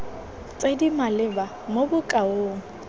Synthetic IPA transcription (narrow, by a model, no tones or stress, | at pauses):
t͡sʼedimalɪba | mobʊkʼaoːŋ̩